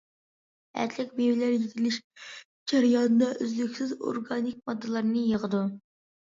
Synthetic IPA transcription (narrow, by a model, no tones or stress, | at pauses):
æ̰ɾt̪ʰlɛkʲbewɪlæɾjit̪ʰɪlɪʃ | d͡ʒæɾjɑnɨd̪ɑʔøzlykʲsɪzo̰ɾɡɑnik̚mɑd̪ːɨlˠɑɾnɨjəʁəd̪u